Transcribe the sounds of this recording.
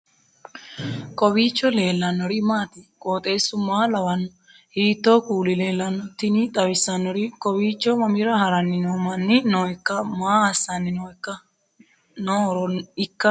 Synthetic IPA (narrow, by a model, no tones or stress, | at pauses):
kɔbit͡ʃːɔlelːanːɔɾimat̪ikʼot̪ʼesumalawanːɔ | hiːt̪ːokuːlilelanːɔt̪init̪ʼɐwisanːɔɾikɔbit͡ʃːɔmamiɾahaɾanːinɔmanːinɔɛkːamaːsanːinɔɛkːa | nɔɾɔikːa